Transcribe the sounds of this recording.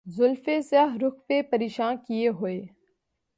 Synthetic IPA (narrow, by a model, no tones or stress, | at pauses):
zʊlfesaɦɾʊxpepəɾeːʃãːnkijeɦoeː